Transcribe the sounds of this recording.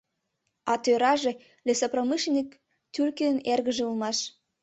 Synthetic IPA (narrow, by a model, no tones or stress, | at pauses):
ɑt̪øɾɑʒe | lesopromɨʃnʲik | t̪yrkeənerɣə̆ʒĕulmɑʃ